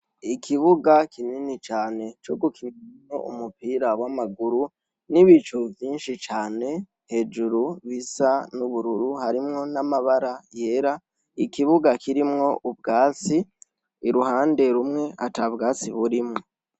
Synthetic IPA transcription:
ikʰiβuɡakʰininit͡ʃaːne̞t͡ʃoɡukʰiɲimŋo̞̰ṵmupiːɾawamaɡuɾu | niβit͡ʃuvjiːnʃit͡ʃaːne̞ | he̞ːd͡ʒuɾuβisanuβuɾuɾuhaɾimŋo̞namaβaɾaje̞ːɾa | ikiβuɡakiɾimŋo̞ʔub̚ɡaːt͡siː | ɾuɦaːnde̞ɾumŋe̞atabɡaːt͡siβuɾimŋo

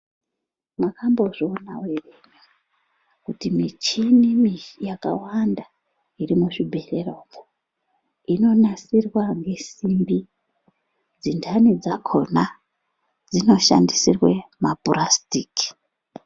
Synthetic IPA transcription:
mwakambo̞ʐoona̰wereɲa | kutimit͡ʃinimijaka̰wanda | iɾimuʂibʱe̞rerovo | ino̞nasirwaŋɡe̞simbi | d͡zindʰanid͡zakʰona | d͡zino̞ʃa̰ndisirwemapurastiːki̥

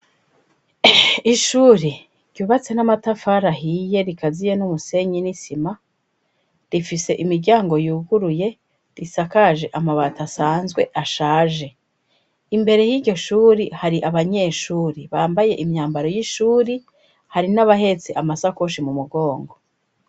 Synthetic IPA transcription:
iʃuːɾi | ɾ̥ɟuːβat͡se̞namatafaɾaɦije̞ɾikazije̞numuse̞ɲinisima | ɾifise̞ʔimiɾɟaːŋɡo̞juːɡuɾuje̞ | ɾisakaʒe̞ʔamaβatasaːnzɡwe̞ʔaʃaːʒe̞ | imbe̞ɾe̞jiːɟo̞ʃuːɾihaɾiʔaβaɲe̞ːʃuːɾiβaːmbaje̞ʔimɲaːmbaɾo̞jiʃuːɾi | haɾinaβaɦe̞t͡seʔamasakoʃimumuɡo̞ːŋɡo̞

